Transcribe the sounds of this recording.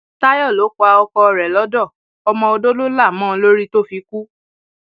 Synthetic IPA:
ta˦jɔ˦˨lo˨˦kɔ˧a˧ɔ˧kɔ˧ɾɛ˨lɔ˨˦dɔ˦˨ | ɔ˧mɔ̃˧o˧do˦lo˦la˦˨mɔ̃ː˦˨˧lo˦ɾi˦to˦fi˧ku˦

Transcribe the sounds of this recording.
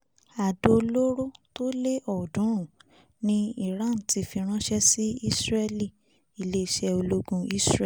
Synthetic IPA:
a˨do˧lo˦ɾo˦to˦le˦ɔ˦˨dũ˨˦˨ | nĩ˦i˦˨ɾã˦˨n̩˨ti˧fi˧ɾ̃ã˦ʃɛ˦si˦i˦sɾɛ˧li˦˨ | i˨le˦i˧ʃɛ˧o˧lo˦ɡũ˧i˦sɾɛ˦

